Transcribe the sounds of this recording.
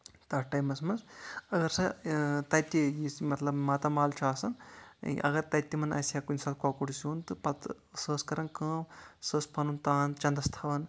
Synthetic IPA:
t̪ɐʈɐjmɐsmɐnzɐɡɐɾsɐt̪ɐt̪ːijismɐt̪lɐbmat̪ɐmaːlt͡ʃʰaːsɐnʔɐ̰ɡɐɾt̪ɐt̪ʲːimɐnɐ̰sjakunʲsaːt̪kakuɽisuːnt̪ɨpɐt̪ | səːskɐɾɐnkɐ̃ːmsəːspʰɐnunt̪aːnt͡ʃɐnd̪ɐst̪ʰɐʋɐn

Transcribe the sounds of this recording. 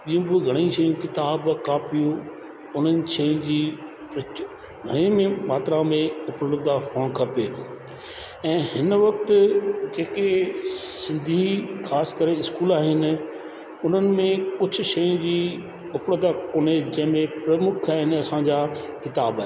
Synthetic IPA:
ɓijũbuɡʱɐɽ̃ĩʃɐjũkɪt̪aːbkaːpijũ | ʊn̤ənɪ̆ʃɐjʊ̃d͡ʑiː | pɾ | ɡʱɐɽ̃imẽmaːt̪ɾãmẽʊpɽɽd̪afoːɽkʰɐpeː | ɛ̃ːhɪnʋɐkt̪d͡ʑeːkesɪ̃nd̪ʱixʰaːskəɾeɪskuːlaːɦɪnɪ̆ | ʊn̤ənɪ̆mẽkʊd͡ʑʱʰʊ̆ʃɐjũd͡ʑiː | ʊpɽəd̪akoːned͡ʑɐ̃ɦɪ̃mẽpɾɐmʊkʰaːɦɪnɪ̆ɐsãɲd͡ʑakɪt̪aːbaːɦe

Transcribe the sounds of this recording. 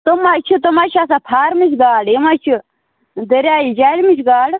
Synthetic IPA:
t̪omat͡ʃʰit̪omat͡ʃʰasapʰaːɾmit͡ʃʰɡaːɽemat͡ʃʰu | d̪ɐɾaːjid͡ʒaːlmit͡ʃʰɡaːɽ

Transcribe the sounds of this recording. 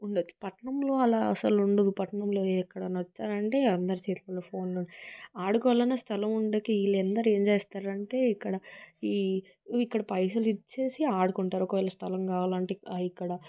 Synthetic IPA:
uɳɖet͡ʃːu̥pɐʈɐɳɐmlo̞ːɐlaːɐ̰sɐluɳɖɐd̪upɐʈɐɳɐmloːkːɐɽɐnɐt͡ʃːaːɾɐɳʈe̞ːɐnd̪ɐɾit͡ʃɛːt̪lɐloːpʰo̞ːnloɳiaːɽukɔːʋaːlɐnɐst̪ʰɐlɐmuɳɖekeilːɛnd̪ɐɾe̞ːmt͡ʃeːst̪aːɾɐɳʈe̞ːikːɐɽɐiː | ikːɐɽɐpɐjsɐlit͡ʃːeːsiaːɽukuɳʈaːɾɔkɐʋɛːlːɐst̪ʰɐlɐmkaːʋaːlɐɳʈeikːɐɽɐ

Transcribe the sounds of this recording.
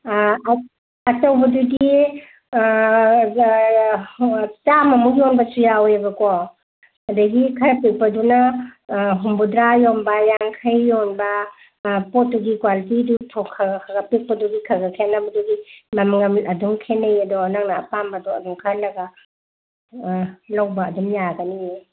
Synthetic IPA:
ɐtawbɐdudi | t͡ʃamɐmujonbɐsujawebɐkɔ | ɐdɐɡikʰɐɾpek̚pɐdunɐ | ɦumbudɾajonbɐjaŋkʰajːonbɐ | pɔt̚duɡikwalitidutʰɔkʰaɡakʰaɡɐpik̚pɐduɡikʰaɡakʰenabɐduɡimamaŋɐmɐduŋkʰenejedɔnaŋnaːpambɐdɔɐ̰duŋkʰaɾnɐɡɐ | lawbɐːdumjaɡɐnie

